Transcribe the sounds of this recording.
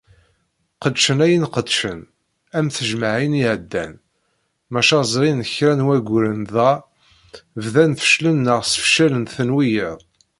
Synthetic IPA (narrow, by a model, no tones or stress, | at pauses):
qəd̪ʃənæjənqəd̪ʃən | æmθəʒməʕiniʕəd̪ːæ̰n | mæʃæzˤɾinəçɾænwæɡʷɾənðæ | vðænθə̥ʃlənːəʁsə̥fʃælənθənwijəðˤ